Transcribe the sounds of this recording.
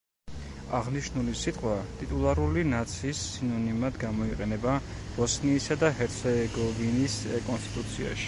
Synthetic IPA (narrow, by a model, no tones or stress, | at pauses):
aʁniʃnulisit̪ʼqʼwat̪ʼit̪ʼulˠaɾulinat̪sʰisinɔnimad̪ɡamɔiqʼɛnɛba | b̥ɔsniːsad̪aɦɛɾt̪sʰɛɡɔviniskʼɔnst̪ʰʼit̪ʼut̪sʰia̰ʃi̥